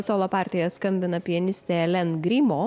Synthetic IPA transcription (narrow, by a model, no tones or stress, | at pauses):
soːlˠoːpɑːˑɾʲt̪ʲɪjɛskɐmʲbʲɪnɐpʲiɛnʲɪsʲt̪ʲeɛlʲɛnɡɾʲiːmoː